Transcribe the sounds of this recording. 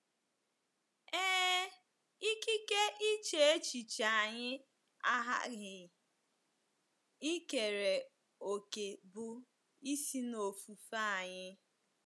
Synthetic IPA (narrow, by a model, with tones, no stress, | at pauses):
eː˦ | i˦ki˦ke˦i˦t͡ʃe˨e˦t͡ʃi˨t͡ʃa˨a˨ɲɪ˦ | a˦ɦa̰˦ɣɪ˨ | i˦ke˨ɾe˨ | o˨ke˨bʊ˨ | i˦si˦no˨fu˨fa˦a˨ɲɪ˦